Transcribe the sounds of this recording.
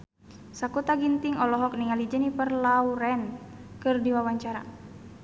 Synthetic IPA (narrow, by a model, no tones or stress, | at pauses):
sakut̪aɡint̪iŋɔlɔɦɔk̚niŋalid͡ʒənipərlauɾɛnkɨrdiwawaɲt͡ʃaɾa̰